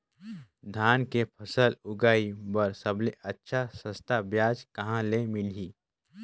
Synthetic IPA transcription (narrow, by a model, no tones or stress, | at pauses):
d̪ʱaːnkepʰəsəlʊɡaːibəɾsəbleʔətːʃʰasə̃st̪ʰabjaːd͡ʒkɐɦãlemɪlɦiː